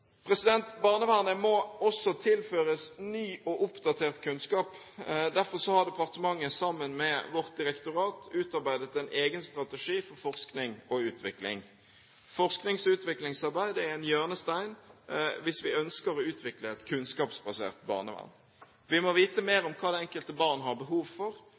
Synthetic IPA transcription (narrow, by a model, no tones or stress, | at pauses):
pʰʁɛsɪd̪ɛnt̪bɑʁnəʋæʁnəmɔɔsːɔt̪ʰɪlføːʁəsnyːɔʔʊpd̪ɑt̪ʰeːʁt̪kʰʉnskɑːp | d̪æʁfɔʁsɔhɑʁd̪ɛpʰɑʁt̪əmɑŋːəsɑmːənmɛʋɔʁt̪̚d̪ɪʁɛkt̪ʊʁɑːt̪ʉːt̪ɑʁbæɪd̪ət̪ɛɪnʔeːɡənst̪ʁɑt̪ɛʂiːfɔʁfɔʁsknɪŋɔʉːt̪ʰʋɪklɪ̰ŋ | fɔʁsknɪŋsʉːt̪ʋɪklɪŋsɑʁbæɪd̪əɛɛnjøːʁnəst̪æɪnʋɪsʋɪœnskəɾɔʉːt̪ʰʋɪkləɛt̪kʰʉnskɑːpsbɑsḛːʁt̪bɑ̰ːʁnə̰ʋæ̰ʁn | ʋɪmɔʋiːt̪əmeːɾɔmkʰɑːd̪ɛɛŋkəlt̪əbɑːʁnəɦɑʁbəɦuːʋfɔʁ